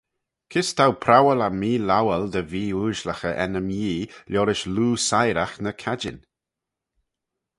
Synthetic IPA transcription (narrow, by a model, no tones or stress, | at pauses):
kʰɪst̪ʰawpʰɾawəlamiːlawəld̪əviːuːʒləxəʔɛ̰nəmjiːlɔːɾɪʃluːsajɾaxnəkʰad͡ʒɪ̰n